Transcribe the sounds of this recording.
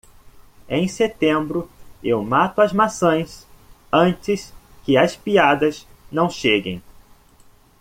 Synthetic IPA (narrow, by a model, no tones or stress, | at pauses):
ẽj̃set̪ẽmbɾʊewmat̪ʊɐzmasõj̃s | ɐ̃nt͡ʃɪskɪɐspiad̪ɐznɐ̃w̃ʃeɡḛ̃j̃